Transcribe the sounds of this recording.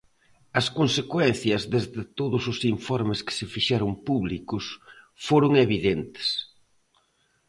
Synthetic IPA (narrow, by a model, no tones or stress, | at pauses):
ɐskonsekwɛn̟θjɐzðezðɪt̪oðʊsʊsiɱfɔɾmɪskɪ̥sɪfiʃɛɾʊmpuβlikʊs | foɾʊŋeβiðent̪ɪ̥s